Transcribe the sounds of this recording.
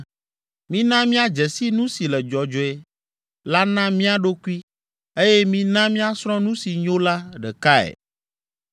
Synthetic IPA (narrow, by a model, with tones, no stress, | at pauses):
mĩ˦nã˦mĩ˦a˨d͡ʒɛ˨si˦nũ˦si˨lɛ˨d͡ʒɔ˨d͡ʒɔ˨ɛ˨ | la˦nã˦mĩ˦a˨ɖo˦ku˦i˦ | e˦jɛ˦mĩ˦nã˦mĩ˦a˦sɾ̃ɔ̃˦nũ˦si˨ɲõ˦la˦ɖɛ˨ka˦ɛ̰˨